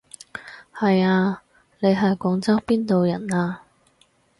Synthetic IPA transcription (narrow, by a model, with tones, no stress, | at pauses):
hɐ˨jaː˧ | ne˨˧jɦɐ˨jkʷɔː˨˥ŋt͡sɐ˥ŋpiː˥nt̪o˨wjɐ˨˩naː˧